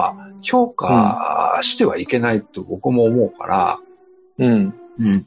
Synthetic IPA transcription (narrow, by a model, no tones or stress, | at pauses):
ço̞ːka̰ | ɕi̥t̪e̞βaike̞nait̪o̞bo̞kɯ̟mo̞ːmo̞ɯ̟ka̰ɾʔa̰ | ɯ̟̃ɴɯ̟̃ɴ